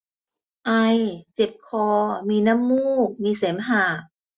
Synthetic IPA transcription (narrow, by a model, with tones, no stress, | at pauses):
ʔa˧jt͡ɕe˨˩p̚kʰɔː˧miː˧na˧˥˨mːuː˥˩k̚miː˧seː˩˦mɦaː˨˩k̚